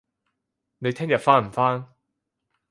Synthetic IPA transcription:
ne˨˧jt̪ʰɛː˥ŋjɐ˨t̚faː˥nm̩˨˩faː˥n

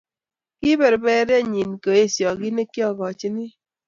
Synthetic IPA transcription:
ki˦bɛ˨ɾbɛ˦ɾja˦ɲi˨nko˨e˦˨sjɔ˨ki˦ne˦kːjɔ˦˨ɡɔ˨t͡ʃi˦ni˦

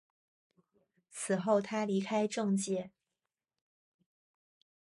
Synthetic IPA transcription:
t͡sʰɹ̩˨˩xo˥˩ʊt̪ʰa˥li˧˥kʰa˥ɪʈ͡ʂɤ˥˧ŋt͡ɕjɛ˥˩

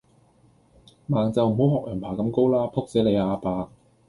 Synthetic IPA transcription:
maː˨˩ŋt͡sɐ˨wm̩˨˩ho˨˥whɔː˨˩k̚jɐː˨˩npʰaː˨˩kɐ˧mko˥wlaː˥pʰo˥k̚t͡sɛː˨˥le˨˧jaː˧paː˧k̚

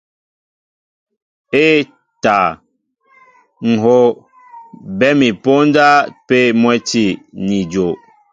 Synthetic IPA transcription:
e˦ | ta˨ | ŋ̩˨ɦo˦ | bɛ˦mi˨po˦n˦da˦pe˦mwɛ˦ti˦˨ni˨d͡ʒo˨

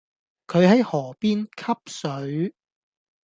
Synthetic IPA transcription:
kʰɵ˨˧ɥɦɐ˨˥jhɔː˨˩piː˥nkʰɐ˥p̚sɵ˨˥ɥ

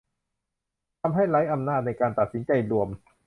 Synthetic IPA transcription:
t̪ʰa˧mɦa˥˩jɾa˦˥jʔa˧mnaː˥˩t̪̚na˧jkaː˧nt̪a˨˩t̪̚si˩˦nt͡ɕa˧jɾu˧əm

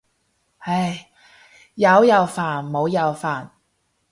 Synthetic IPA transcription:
ha˧j | jɐ˨˧wjɐ˨˧wfaː˨˩nmo˨˧wjɐ˨˧wfaː˨˩n

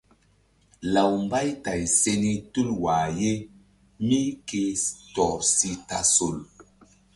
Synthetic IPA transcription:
la˨wmba˦jta˨jse˧ni˦tu˦lwa˨je˦ | mi˦ke˧tɔ˨si˦ta˨so˨l

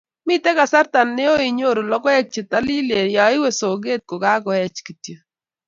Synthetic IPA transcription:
mi˦tɛ˦ka˨sa˦ɾta˨nːe˦o˦i˨ɲo˦˨ɾo˨lɔ˦kɔ˦ɛ˦k̚t͡ʃe˨t̪a˦li˦le˨ja˨˦ɪ˦we˨so˨ɡe˦t̚ko˨ka˦ɡɔ˨ɛ˦t͡ʃki˨tjo˨

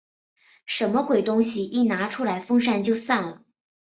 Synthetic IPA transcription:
ʂə˧˥nmə˧kwe˨˩ɪt̪ʊ˥ŋɕi˨i˥˩na˧˥ʈ͡ʂʰu˥la˧˥ɪfɤ˥ŋʂa˥˧nt͡ɕjo˥˧ʊsa˥˩nlə˩

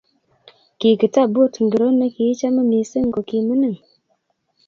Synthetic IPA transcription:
ki˨kɨ˨ta˦˨bo˦˨tŋ˨ɡə˨ɾo˦nə˦ki˨ji˦t͡ʃa˦mə˦mi˨sə˦ŋ̩˨ko˨ki˨mɨ˦nɨ˦˨ŋ

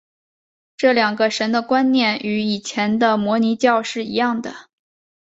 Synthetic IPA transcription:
ʈ͡ʂɤ˥˩ljɑ˨˩ŋɡə˦ʂə˧˥nd̪ə˧kwa˥nnjɛ˥˩ny˧˥i˨˩t͡ɕʰjɛ˧˥nd̪ə˧mwɔ˧˥ni˧˥t͡ɕjɑ˥˧ʊʂɻ̩˥˩i˧˥jɑ˥˩ŋd̪ə˩

